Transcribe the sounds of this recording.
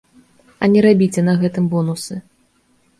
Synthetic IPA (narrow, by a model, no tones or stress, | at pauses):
ɐnʲɛɾabʲit͡sʲɛnɐɣɛt̪ɨmbɔnusɨ